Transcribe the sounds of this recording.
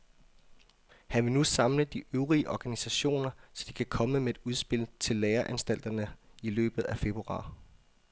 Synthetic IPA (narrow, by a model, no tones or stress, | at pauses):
hænʋe̝lnusɑ̈mləd̥iʔøʊʁiəʔɒɡ̥ænisæɕo̝̰ːnɐsɒ̽d̥ikʰækʰɒ̽məmee̝d̥uð̞ˠsb̥e̝lt͡sʰe̝lːeːɐʔænsd̥æl̰d̥ɐnəilø̰ːb̥ð̞̩ˠæfe̝b̥ʁuɑ̰̈ː